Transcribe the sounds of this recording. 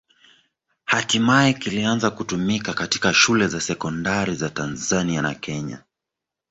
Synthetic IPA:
hatimajɛkilianzakutumikakati̥kaʃulɛzasɛkɔndaɾizatanzaniana̰kʰɛɲa̰

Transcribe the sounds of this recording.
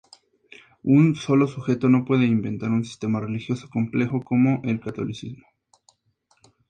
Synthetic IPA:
unso̞lo̞suxe̞t̪o̞no̞pwe̞ðe̞imbe̞nt̪aɾunsi̥st̪e̞mare̞lixjo̞so̞̥ko̞mple̞xo̞ko̞mo̞ʔe̞lkat̪o̞̰lisizmo

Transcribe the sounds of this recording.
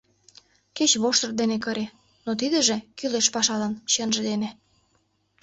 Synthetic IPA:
ket͡ɕβoʃt̪ɤ̆rd̪enekɤ̆ɾe | not̪̬id̪ə̆ʒĕkyleʃpɑʃɑlɑnɕenʒĕd̪enĕ

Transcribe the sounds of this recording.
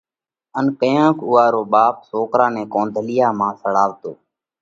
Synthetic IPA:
ənkəjãːkʊːaːɾoːɓaːpsoːkɾaːnɛ̃ːkoːnd̪ʱəlɪjaːmãːsəɽaːʋt̪oː

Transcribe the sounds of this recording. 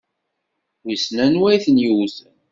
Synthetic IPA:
wisnænwæjθənjuwθən

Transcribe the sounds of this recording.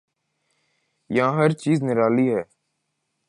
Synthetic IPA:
jəɦãːɦəɾt͡ʃiːznɪɾaːliːɦɛː

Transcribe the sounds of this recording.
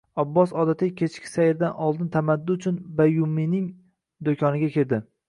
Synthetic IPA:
abːɒsɒd̪at̪ʰɪkʲʰet͡ʃkʲʰɪ̥sajɪɾd̪anʔɒlˠd̪ɪnt̪ʰamad̪ːʊʊt͡ʃʰʊnbajʊmːinɪŋ | d̪okʲʰɒnɪɡʲakʲʰɪɾd̪ɪ

